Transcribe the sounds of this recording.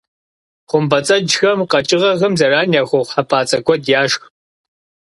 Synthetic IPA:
χʷʊmbɐt͡sʼɐd͡ʒxɐmqɐt͡ʃʼɪʁɐɣɐmzɐraːnjaːxʷoχʷħapʰaːt͡sʼɐɡʷɔdjaːʃx

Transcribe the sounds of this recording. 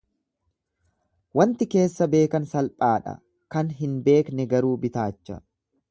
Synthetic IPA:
wɐnt̪ɪke̞ːsːɐbe̞ːkɐnsɐlpʼaːᶑɐ̰ | kɐnɦɪnbe̞ːknɛɡɐɾuːbɪt̪aːt͡ʃːɐ̰

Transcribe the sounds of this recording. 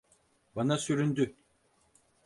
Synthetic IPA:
banasyɾynd̪y

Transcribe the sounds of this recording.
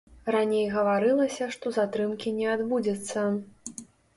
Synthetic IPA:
ranʲejɣɐvaɾɨlˠɐsʲɐʂt̪ɔzat̪ɾɨmkʲinʲɛad̪bud͡zʲɐt̪sːɐ

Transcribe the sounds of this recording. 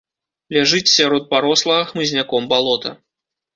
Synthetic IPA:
lʲaʐɨt͡sʲsʲaɾɔt̪̚paɾɔslˠɐɣɐxmɨzʲnʲakɔmbalˠɔt̪ɐ̰

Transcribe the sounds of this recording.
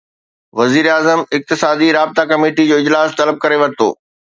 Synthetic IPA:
ʋɐziːɾaːzəmɪk̚t̪ɪsaːd̪iɾaːb̚t̪akɐmeːʈid͡ʑoːɪd͡ʑlaːst̪ɐləb̚kɐɾeʋɐɾɪt̪o̰ː

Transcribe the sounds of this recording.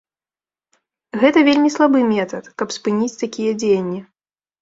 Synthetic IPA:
ɣɛt̪ɐvʲelʲmʲislˠabɨmʲɛt̪ɐt̪kɐpspɨnʲit͡sʲt̪akʲijɐd͡zʲejɐnʲːi

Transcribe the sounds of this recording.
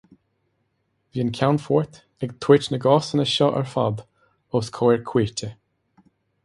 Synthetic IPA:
viːnkʲʰawnfɔːɹt̪ | ɛɡt̪ʰwɪt͡ʃnəɡɔːsənəʃɔʔɛ̰ɹfa̰d̪ | oːskʰɔːɛɹkʰw̥iːɹt̪ʰə

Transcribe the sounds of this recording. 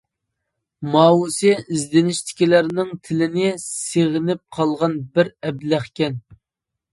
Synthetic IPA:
mɑːwusɪizd̪ɪnɪʃt̪ʰɪ̥kʲilæɾnɪŋt̪ʰɪlɪnɪseʁɪnɪp̚qʰɑlˠʁɑnbɪɾɛblæχkʲɛn

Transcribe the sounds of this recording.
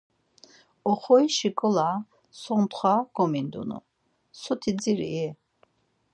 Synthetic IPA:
ɔχɔiʃikʼɔla | sɔnt̪χwaɡ̥ɔmind̪ṵnṵ | sɔt̪ʰid͡ziɾḭɛ

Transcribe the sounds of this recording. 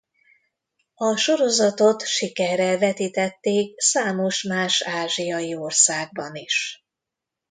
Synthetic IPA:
ɒʃo̞ɾo̞zɒt̪o̞t̪ʃikɛrːɛvɛt̪iːt̪ɛt̪ːeːk̚saːmo̞ʃmaːʃaːʒijɒjio̞rsaːɡ̚bɒniʃ

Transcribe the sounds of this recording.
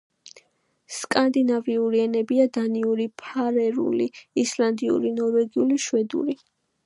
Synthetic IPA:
skʼand̪inaviuɾiɛnɛbiad̪aniuɾipʰaɾɛɾṵliisland̪iṵɾinɔɾvɛɡiuliʃwɛd̪ṵɾi

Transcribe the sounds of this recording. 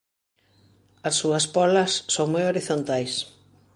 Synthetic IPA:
ɐsːuɐspɔlɐsːoŋmojoɾiθont̪ajs

